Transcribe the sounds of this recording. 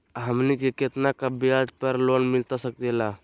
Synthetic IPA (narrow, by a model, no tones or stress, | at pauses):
ɦəmnikekɪt̪nakabijad̪pəɾloːnmɪlt̪asək̚t̪elaː